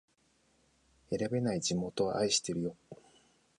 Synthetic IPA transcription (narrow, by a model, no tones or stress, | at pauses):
e̞ɾabe̞naid͡ʑimo̞t̪o̞βa̰ʔaiɕi̥t̪e̞ɾɯ̟jo̞